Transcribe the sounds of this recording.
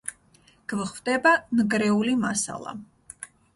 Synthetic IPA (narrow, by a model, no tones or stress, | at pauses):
ɡ̥vχvd̪ʼɛbanɡɾɛulimasa̰lˠa̰